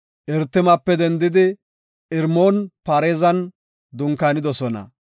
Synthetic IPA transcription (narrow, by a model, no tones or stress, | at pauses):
ʔɪɾt̪ːɪmɐpːɛd̪ɛnd̪ɪd̪ɪ | ʔɪɾmoːnpaːɾeːzɐn | d̪ʊŋkanɪd̪ɔsɔnɐ̰